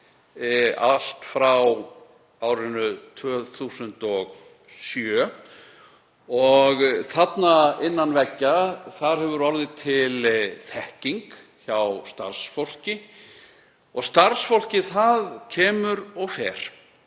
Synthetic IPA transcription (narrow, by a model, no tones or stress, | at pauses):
al̥t̪fɾaw | awɾɪnʏt̪ʰvœːθuːsʏnt̪ɔɣ | sjœː | ɔɣθat̪naɪnːanvɛcːaθaɾ̥hɦɛvʏɾɔɾðɪt̪ʰɪlθɛhciŋk | çawst̪a̰ɾ̥sfowl̥cɪ | ɔɣst̪aɾsfowl̥cɪθaðcʰɛːmʏɾɔɣfɛːɾ̥